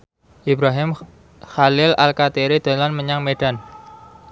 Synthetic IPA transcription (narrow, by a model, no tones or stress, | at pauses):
ʔibɾaɦɪm | xalɪlalkat̪eɾid̪̥a̤lanməɲaŋmeɖ̥an